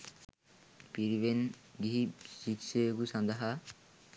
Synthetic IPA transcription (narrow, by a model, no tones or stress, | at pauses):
piɾbenɡiisikseɡusand̪aɦa